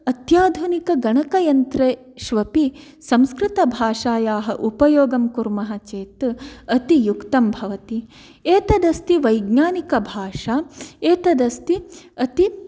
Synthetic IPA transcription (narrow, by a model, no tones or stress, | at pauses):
ɐt̪jaːd̪ʱunikɐɡɐɳɐkɐjɐnt̪ɾeː | ʃʋɐpi | sɐ̃mskɾɪt̪ɐbʱaːʂaːjaːɦɐ̆ʔupɐjoːɡɐmkuɾmɐɦɐ̆t͡ʃeːt̪ɐt̪ijukt̪ɐmbʱɐʋɐt̪i | eːt̪ɐd̪ɐst̪iʋɐjɡnɲaːnikɐbʱaːʂaːeːt̪ɐd̪ɐst̪iɐt̪i